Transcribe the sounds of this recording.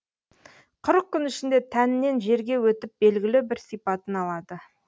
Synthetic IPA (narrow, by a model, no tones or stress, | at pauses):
qʰʊɾəq̚kʲʰːʏnɪʃɪnd̪e̞t̪ʰænɪne̞nʒe̞ɾɡʲe̞wɵt̪ɪp̚be̞lɡʲɪlɪbɪɾsijpɑt̪ənɑlˠɑd̪ə